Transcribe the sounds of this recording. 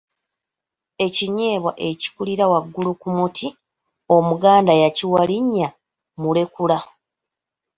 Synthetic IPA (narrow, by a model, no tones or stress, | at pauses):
e̞ciɲe̞ːβwa̰ʔe̞ci̥kuliɾawaɡːulukumutʰi | o̞muɡaːndajaciwaliɲːa | mule̞kula